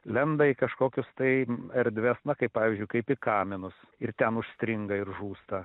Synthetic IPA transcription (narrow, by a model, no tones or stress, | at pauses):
lʲɛnd̪ɐɪkɐʃkoːkʲʊst̪ɐɪɐɾʲd̪ʲʋʲɛsnɐkɐɪpɑːʋʲiːzʲd͡ʒʲʊɪkɐɪpɪkɑːmʲɪnʊs | ɪrt̪ʲɛnʊʃsʲt̪ʲɾʲɪŋɡɐɪɾʒuːst̪ɐ